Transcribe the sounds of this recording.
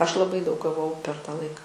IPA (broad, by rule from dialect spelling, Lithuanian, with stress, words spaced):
ˈɐʃ lˠɐˈbɐɪ dɐʊk ɡɐˈʋɐʊ pʲɛr tɐ ˈlˠɐɪkɐ